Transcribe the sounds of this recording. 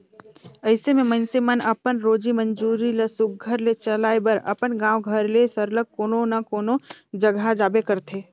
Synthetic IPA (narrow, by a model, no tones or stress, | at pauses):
əɪsemẽmənsemənɐpənɾoːd͡ʒimə̃nd͡ʒuːɾiləsʊk̚ɡʱəɾlet͡ʃəlaːebəɾɐ̰pənɡãːwɡʱəɾlesəɾləɡ̚koːnonɐkoːnod͡ʒəɡʱad͡ʒaːbekəɾt̪ʰeː